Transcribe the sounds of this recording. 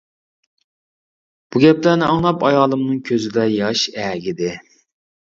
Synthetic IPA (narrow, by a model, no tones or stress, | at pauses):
b̥uɡʲɛplæɾnɪɑŋnˠɑpɑjɑːlˠɨmnɨŋkʲʰøzɪd̪ɛjɑʃɛːɡʲɪd̪ɪ